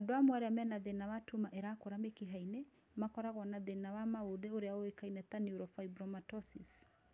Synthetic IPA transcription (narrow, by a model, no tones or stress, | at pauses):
doamwaɾeamɛnaðenawatumaʔeɾakoɾamekeɦaine | makɔɾaɣwanaðenawamaoðeoɾeaoekainɛtaniuɾɔfaibɾɔmatɔsis